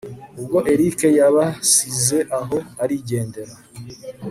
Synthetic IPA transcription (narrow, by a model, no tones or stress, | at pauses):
ub̚ɡo̞ʔe̞ɾike̞jaβasize̞ʔaɦo̞aɾiɟe̞ːnde̞ɾa